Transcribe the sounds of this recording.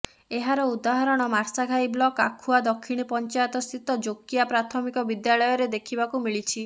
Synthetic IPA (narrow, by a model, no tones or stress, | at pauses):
eɦaɾɔud̪aɦɔɾɔɽ̃ɔmaɾsaɡʱajblɔka̰kʰuad̪ɔkʰːiɽ̃ipɔnt͡ʃajɔt̪ɔst̪ʰit̪ɔd͡ʒokiapɾat̪ʰɔmikɔbid̪jaɭɔjɔɾed̪ekʰibakumiɭit͡ʃʰi